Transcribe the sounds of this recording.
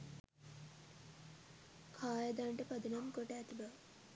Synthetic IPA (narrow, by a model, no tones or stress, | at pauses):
kʰaːjəd̪aɳʈəpɐd̪ənamkoʈəːt̪ibaʋ